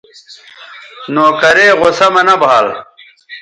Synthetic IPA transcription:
noːkɐɾeːʁosɐmɐnɐbʱaːl

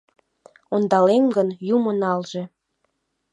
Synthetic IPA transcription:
ond̪ɑlemɡənjumənɑlʒe

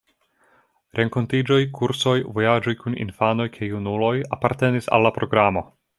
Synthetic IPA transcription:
ɾʔe̞ŋko̞ntid͡ʒo̞jkʰuɾso̞jvo̞jad͡ʒojkunḭnfano̞jkʰajunulo̞japaɾte̞nisa̰lːapɾo̞ɡɾamo̞

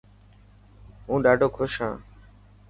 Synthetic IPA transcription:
ũːɖaːɖoːkʰoʃã̰ː

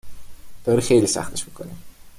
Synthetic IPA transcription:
d̪̥ɒːɾiːxejliːsæ̰xt̪ʰeʃmikʰoni

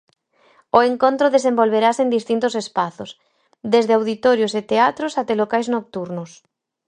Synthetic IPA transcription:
oeŋkõnt̪ɾoðes̬ẽmbolβeɾasend̪ist̪int̪ʊsespaθos | d̪ezðeawð̞it̪ɔɾjoset̪eat̪ɾosat̪ɛlokajznok̚t̪uɾnʊs

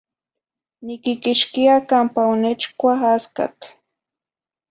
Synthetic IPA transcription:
nɪkɪkɪʃkiakampawnet͡ʃkwaxaska̰k̪

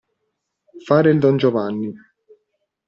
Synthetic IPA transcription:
faːɾɪld̪ɔnd͡ʒɔvanːi

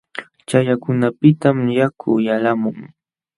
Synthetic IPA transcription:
t͡ʃajakʊnapɪt̪amjakʰʊjalamʊŋ

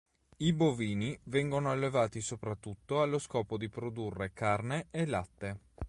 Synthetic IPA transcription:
iboviːnivɛŋɡonoalːevaːt̪isopɾat̪ːut̪ːoalːoskɔːpod̪ipɾod̪urːekarneelat̪ːe

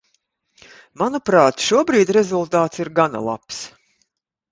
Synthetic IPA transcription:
manupɾaːt̪ʃuɔbɾiːd̪ʲɾɛzulˠt̪aːt̪siɾɡana̰lˠa̰ps

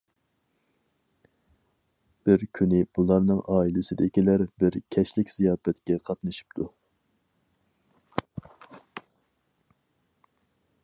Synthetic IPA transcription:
b̥ɪɾkʲʰynɪb̥ulˠɑɾnɨŋʔɑːilɪsɪd̪ɪkʲilæɾbɪɾkʲʰɛʃlɪkʲz̥ijɑːfɛt̪kʲɛqʰɑt̪nɨʃi̥p̚t̪ʰu

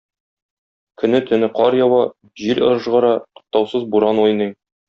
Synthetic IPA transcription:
kɵ̆nɘt̪ɵ̆nɘqɒɾjɒwɑ | ʑiɾɤ̰̆ɾɤ̆ʒʁɤ̆ɾɑt̪ŏ̥q̚t̪ɑwsɤzbuɾɑnujnɤj

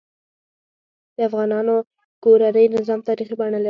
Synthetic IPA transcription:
d̪əafɣɑnɑno | koɾanəjnɪzɑmt̪ɑɾixibaɳəla

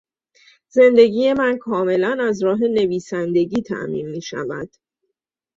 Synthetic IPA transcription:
ze̞nd̪e̞ɟiːje̞mænkʰɒːme̞lænæzɾɒːɦe̞ne̞viːsænd̪e̞ɟiːt̪ʰæ̰ʔmḭːnmiːʃæ̰væd̪̥

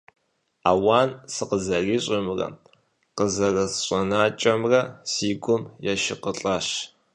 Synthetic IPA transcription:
aːwaːnsɨqəzɐriːɕʼɪmrɐ̰ | qəzɐrɐsɕʼɐnaːt͡ʃʼɐmrɐsiːɡʷʊmjɛʃɪqəɬʼaɕ

